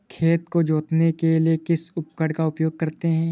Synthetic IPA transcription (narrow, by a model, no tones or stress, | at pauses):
kʰeːt̪kod͡ʒoːt̪nekeliekɪsʊp̚kəɽkaʊpjoːɡ̚kɐɾt̪eɦɛ̃ː